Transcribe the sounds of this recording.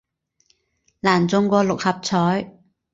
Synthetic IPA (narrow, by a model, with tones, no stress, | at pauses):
laː˨˩nt͡sʊ˧ŋkʷɔː˧lʊ˨k̚hɐ˨p̚t͡sʰɔː˨˥j